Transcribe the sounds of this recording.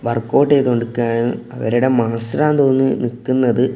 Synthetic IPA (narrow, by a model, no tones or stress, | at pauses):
ʋɐrkːo̞ːʈːet̪oɳɖukːaːɳɨɐ̰ʋɐ̰ɾuɽe̞maːsɾaːnt̪oːnːɨnikːunːɐðɨ